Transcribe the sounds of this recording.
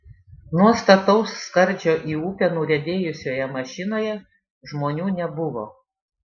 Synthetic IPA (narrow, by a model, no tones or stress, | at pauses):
nuɔst̪ɐt̪ɒʊsːkɐɾʲˑd͡ʒʲoːʔiːuːpʲɛnuːɾʲɛd̪ʲeːjʊsʲoːjɛmɐʃʲɪnoːjɛ | ʒmoːnʲuːnʲɛbʊʋoː